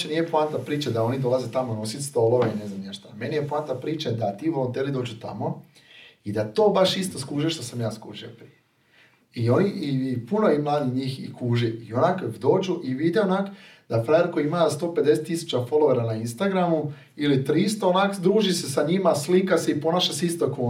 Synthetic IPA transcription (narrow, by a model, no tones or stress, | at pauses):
t͡ʃeniːjepant̪apɾiːt͡ʃad̪ao̞nid̪o̞lazet̪amono̞sit̪st̪o̞ːlo̞ʋaine̞znamnaʃt̪ame̞nijepant̪apɾiːt͡ʃad̪at̪iːʋolont̪elid̪o̞ːd͡ʒut̪a̰mo̞ | id̪at̪o̞ːbaʃist̪o̞skuːʒieʃt̪osamjaːskṵːʒiopɾije | io̞niipuno̞jimlˠaːd̪iɲiːxḭkuːʒiio̞nakod̪o̞ːd͡ʒuʔiʋid̪eonak | d̪̥afɾajeɾko̞iimast̪o̞ːped̪e̞set̪ːisu̥t͡ɕafo̞lˠoʋaɾanainst̪aɡɾamu | ilit̪ɾist̪oonaːkod̪ɾuːʒisesaɲimaslikaseipo̞naːʃaseist̪oko